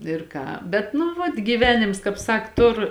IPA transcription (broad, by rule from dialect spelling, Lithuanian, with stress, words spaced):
ɪr ˈkɑː bʲɛt nʊ ˈʋɐt ɡʲiːˈʋʲæːnʲɪms ˈkɑːp ˈsɐk ˈtʊr